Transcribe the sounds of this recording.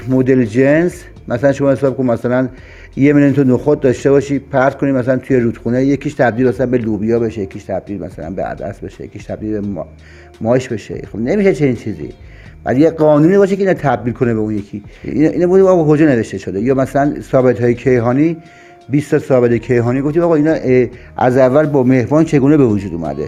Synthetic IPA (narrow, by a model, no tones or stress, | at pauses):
mod̪eld͡ʒens | mæsælænʃo̞mɒːhesɒːb̚kʰonmæsælæn | jemeljont̪ʰonoxot̪̚d̪ɒʃt̪eβɒʃiːpʰæɾzkʰonid̪mæsælænt̪ʰujeɾuːd̪̥xunejekʰiːʃt̪ʰæb̚d̪ilbæsælænbelubijɒːbe̞ʃejekʰiʃt̪ʰæb̚d̪iːlmæ̰sæ̰læ̰nbḛæ̰d̪æ̰sbḛʃejḛkʰiʃt̪ʰæb̚d̪ilbe | mɒːʃbe̞ʃḛxobne̞miːʃet͡ʃʰe̞niːnt͡ʃʰiːzḭ | b̥æ̰d̪jeɡɒːnuːniːbɒːʃ̬ekeiːnt̪ʰæb̚d̪ilkʰonebeunjekʰiḭnʔiːnɔmɡoft̪imɒɣɑkʰod͡ʒɒːneve̞ʃt̪eʃod̪ejɒːmæsælænsɒːbet̪ɦɒːjekʰejɦɒːniː | biːst̪ɒsɒːbet̪ekʰejɦɒːniɡoft̪imɒːɣɑiːnɒʔ | ʔæ̰zævːælbɒːme̞hbɒːnt͡ʃʰe̞ɡuːnebevod͡ʒuːd̪ṵːmæ̰d̪e